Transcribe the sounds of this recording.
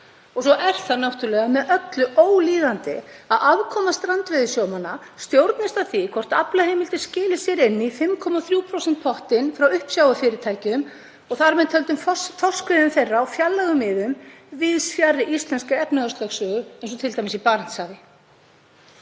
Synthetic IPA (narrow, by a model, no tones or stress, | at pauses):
ɔsɔʔɛɾ̥θaðnawht̪ʏɾlɛːɣamɛðœt̪lʏoːwliːðant̪ɪaðavkʰɔːmast̪ɾant̪vɪðɪsjoːwmanːast̪jowɾt̪nɪst̪aðθikʰvɔr̥t̪aplaɦejmɪlt̪ɪscɪːlɪsjɛɾɪnːifɪmkʰɔmaθɾjuːwpʰɾowsɛn̥t̪̚pʰɔht̪ɪnfɾawʏhpsjaːwafɪːɾɪt̪ʰaːjcʏm | ɔɣθaɾmɛnt̪hœlt̪ʏmffɔr̥skvɪðʏmθejrːaːwfjalːaɣʏmɪðʏm | vɪðsfjarːɪʔist̪lɛnskaɛpnaœst̪œxsœːɣʏɛnsɔt̪ʰɪlt̪ajmɪsipaːɾan̥t̪saːvɪ